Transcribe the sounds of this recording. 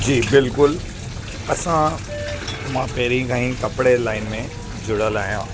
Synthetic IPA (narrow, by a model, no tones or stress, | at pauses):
d͡ʑiːbɪlkʊl | ɐsã | mãːpɛɦɾĩkʰãːĩkɐpɽelaːɪnmẽ | d͡ʑʊɽəlaːɦijãː